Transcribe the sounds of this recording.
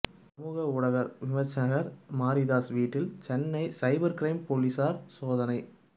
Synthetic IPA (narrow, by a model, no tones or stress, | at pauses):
sɐmuːɣɐʊɽɐɣɐɾʋɪmɐɾt͡ʃːɐɣɐɾmaːɾiðaːsʋiːʈːɪlt͡ʃɛnːɐɪsɐɪbɐɾkɾɐɪmpoːlisaːɾsoːðɐnɐɪ